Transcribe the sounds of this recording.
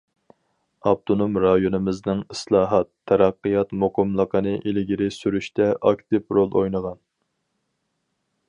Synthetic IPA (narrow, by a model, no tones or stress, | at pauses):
ɑp̚t̪ʰonomɾɑjonɨmɪznɨŋɨslˠɑːɦɑt̪ʰːɛɾɑqːəjɑt̪moqʊmlˠəqʰənɨʔelɪɡʲiɾɪsyɾyʃt̪ʰɛʔɑkt̪ɪpɾolˠojnəʁɑn